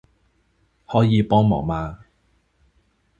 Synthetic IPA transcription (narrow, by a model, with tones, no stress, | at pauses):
hɔː˨˥jiː˨˧pɔː˥ŋmɔ̰ː˨˩maː˧